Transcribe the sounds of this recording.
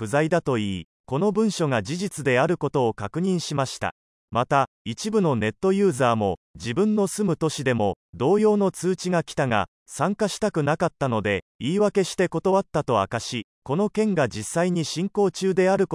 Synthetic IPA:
ɸɯ̟zaid̪at̪o̞iː | ko̞no̞bɯ̟̃ɰ̃ɕo̞ŋad͡ʑiʑit͡sɨd̪e̞aɾɯ̟ko̞t̪o̞ːkakɯ̟ɲ̟ĩɰ̃ɕimaɕi̥t̪a̰ | mat̪a | it͡ɕibɯ̟no̞ne̞t̪ːo̞jɯ̟ːzaːmo̞d͡ʑibɯ̟̃nːo̞sɨmɯ̟t̪o̞ɕid̪e̞mo̞d̪o̞ːjo̞ːno̞t͡sɨːt͡ɕiɡakʲi̥t̪aŋa̰ | sãŋkaɕi̥t̪akɯ̟nakat̪ːano̞d̪e̞ | iːβake̞ɕi̥t̪e̞ko̞t̪o̞βat̪ːat̪o̞a̰kaɕi | ko̞no̞kẽ̞ŋɡad͡ʑisːaiɲ̟iɕĩŋko̞ːt͡ɕɨːd̪e̞aɾɯ̟k

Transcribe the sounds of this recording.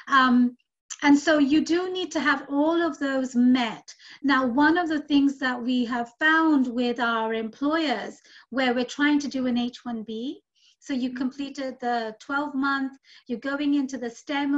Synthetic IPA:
ɨ̃nsoʊjɨdɨnid̚tʰɨːvɔlˠʌvðoʊzmɛtnaʊwʌ̃nʌvðɨθɪ̃ŋzðət̚wiəv̥fãʊ̃ndwɪðaʊə˞ɨ̃mpʰl̥ɔɪə˞z̥ | wə˞wɨɹtʰɹ̥aɪɪ̃ŋtʰɨdɨɨ̃neɪt͡ʃwʌ̃nbi | soʊjɨkʰɨ̃m̩pʰl̥iɾɪd̪̚ðətʰw̥ɛlˠvmʌ̃nθjə˞ɡoʊɪ̃ŋɪ̃ntʉðɨstɛ̃m

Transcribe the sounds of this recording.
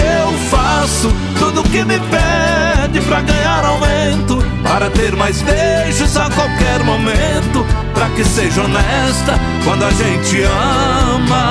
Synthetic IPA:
ewfasʊ | t̪ud̪ʊkɪmɪpɛ | d͡ʒɪpɾɐɡɐ̃ɲaɾawmẽnt̪ʊpaɾɐt̪eɾmajsb̪e | ʒʊzakwawkɛɾmomẽnt̪ʊpɾɐkɪseʒɐonɛ | st̪ɐ | kwɐ̃nd̪ʊaʒẽnt͡ʃɪɐ | mɐ

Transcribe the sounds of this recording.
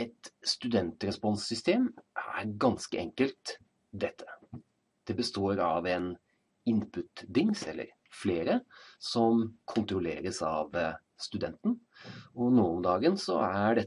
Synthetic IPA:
ɛt̪st̪ʉd̪ɛnt̪ɾɛspɔnsːʏst̪ʰeːmæ̰ɾɡɑnskəʔɛŋkəlt̪ | d̪ɛt̪ʰːə̥ | d̪̥ɛbəst̪oːɾɑʋɛn | ɪnpʰʉt̪d̪ɪŋsɛlːə̰ɾ | fleːɾəsɔmkʰʊnt̪ɾʊlḛːɾəsɑ̰ʋ | st̪ʉd̪ɛnt̪nɔnoːɔmd̪ɑːɡənsɔ̰æɖɛ

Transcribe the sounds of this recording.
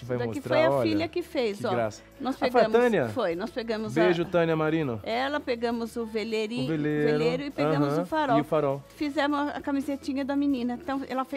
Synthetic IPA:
kɪvajmo̰skɪft̪ɾoajɐɔfiɐʎɐkɪfejzɔɡɾa̰sɐ̥ | nɔspeɡfoɐ̃mt̪ɐ̃niɐfojnɔspeɡɐ̃mʊzbeʒʊt̪ɐ̃niɐmaɾĩnʊɛlɐpeɡɐ̃mʊzʊveleɾiʊ̃velevelɾeɾʊɪpẽɡɐ̃ʊɐ̃zʊfaɾɔɪʊfaɾɔfizɛmʊzɐ̰kamizet͡ʃĩɲɐd̪ɐminĩnɐẽt̪ɐ̃w̃ɛ̰lɐfe

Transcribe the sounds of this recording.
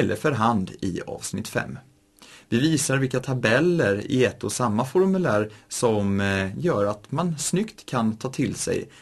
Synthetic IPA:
ɛlːʔəɾfœɾɦand̪ɪ̰ɑ̰ːvsnɪt̪ːfɛ̰mː | vɪviːsaɾvɪlkat̪ʰabɛlːəɾɪ̰ɛt̪ːɔsamːafɔɾmɵlæːɾsɔmjœːɾat̪mansnʏkt̪kʰːant̪ʰɑːt̪ʰɪlsɛ̰j

